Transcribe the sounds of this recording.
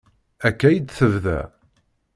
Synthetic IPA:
ækːæjid̪θəvðæ̰

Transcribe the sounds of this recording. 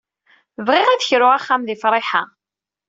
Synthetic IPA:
vʁɪʁæðəçɾʊʁaχːæmðifɾˤɪħa

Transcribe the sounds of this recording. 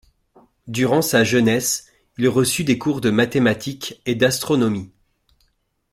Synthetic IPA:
d̪yʁɑ̃saʒənɛs | ilʁəsyd̪ekuʁd̪əmat̪emat̪ʰiked̪ast̪χɔnɔmi

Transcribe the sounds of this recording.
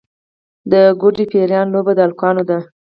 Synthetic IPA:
d̪əɡʊd͡ʒipeɾjɑnlobad̪əalkɑnod̪a

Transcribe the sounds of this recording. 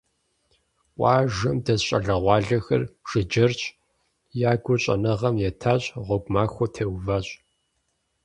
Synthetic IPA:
ʔʷʼɑːʒɐmdɐɕʼɐ̰ɮɐʁʷɑːɮɐxɐ̰rʒ̥ɨd͡ʒɐrt͡ʃʼ | jaːɡʷʊɕʼɐ̰nɐʁɐmjɛtʰaːɕʼʁʷɔɡʷmaːxʷɔtʰeːwvaɕʼ

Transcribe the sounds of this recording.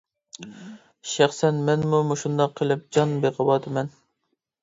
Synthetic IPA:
ʃæχsɛnmɛnmumuʃund̪ɑqʰːəlˠɨp̚d͡ʒɑnbeqʰəwɑt̪ɨmɛn

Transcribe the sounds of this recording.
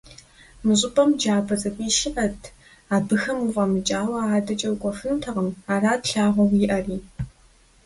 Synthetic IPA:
mɨɕʷʼɪpʼɐmd͡ʒaːbɐt͡sʼɐkʷʼiːʃɪʔɐtʰ | aːbɨxɐmuʁʼɐmɨt͡ʃʼaːwɐaːdɐt͡ʃʼɐwkʷʼɔfɨntʰɐʁəmaːraːtɬaːʁʷɔwiʔɐriː

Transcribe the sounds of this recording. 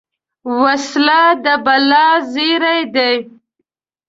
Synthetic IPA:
waslad̪əbalɑziɾajd̪ej

